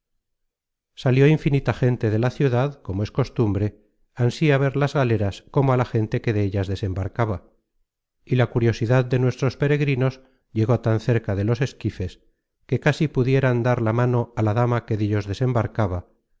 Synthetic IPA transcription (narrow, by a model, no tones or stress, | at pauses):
saljo̞iɱfinit̪axe̞nt̪e̞ðe̞laθjuðaðko̞moe̞sko̞st̪umbɾe̞ | ansiaβ̞e̞ɾlazɣale̞ɾasko̞moalaxe̞nt̪e̞ke̞ðeeʎazðe̞se̞mbaɾkaβa | ilakuɾjo̞siðaðːe̞nwe̞st̪ɾo̞spe̞ɾe̞ɣɾino̞s | ʝe̞ɣo̞t̪anθe̞ɾkaðe̞lo̞se̞skife̞s | ke̞kasipuðje̞ɾand̪aɾlamano̞alaðamake̞ðiʎo̞zðe̞se̞mbaɾkaβa